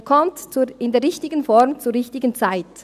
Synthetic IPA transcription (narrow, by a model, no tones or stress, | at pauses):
kʰɔmtt͡suɪndeːɐɾɪçtɪɡənfɔɾmt͡suːɾʁɪçtɪɡənt͡saɪt